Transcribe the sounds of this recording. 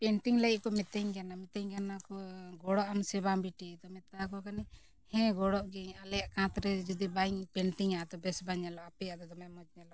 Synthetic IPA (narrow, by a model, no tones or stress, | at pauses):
pɛɳʈiŋləiʔ̚kɔmɛt̪ɛɲɡanamɛt̪ɛɲɡanakɔɡɔɽɔʔamsɛbambiʈid̪ɔmɛt̪akɔkanɛ | hɛ̃ɡɔɽɔʔɡɛɲalɛjaʔkãt̪ɾɛd͡ʒɔd̪ibaiɲpɛɳʈiŋaʔd̪ɔbɛsbaɲɛlɔʔapɛjaʔd̪ɔd̪ɔmɛmɔd͡ʒɲɛlɔʔ